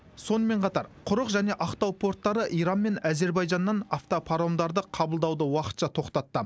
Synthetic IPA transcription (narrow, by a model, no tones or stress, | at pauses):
so̞nəme̞ɴqʰɑt̪ɑɾqʰʊɾəqʒæne̞ʔɑqt̪ɑwpʰo̞ɾt̪ːɑɾəʔijɾɑnme̞næze̞ɾbɑjʒɑnːɑnaft̪opʰɑɾomd̪ɑɾd̪əqʰɑbəlˠd̪ɑwd̪əwɑqə̥t̪ʃɑt̪ʰo̞qt̪ɑt̪ːə